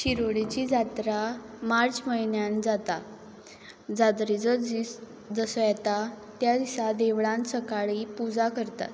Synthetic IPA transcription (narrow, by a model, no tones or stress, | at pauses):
ɕiɾoɽit͡ɕid͡zat̪ɾa | maɾd͡zməinjand͡zat̪a | d͡zad̪ɾid͡zəd͡zi | d͡zəsəjɛt̪a | t̪jad̪isad̪eʋɭãnsəkaɭipud͡zakəɾt̪a̰t̪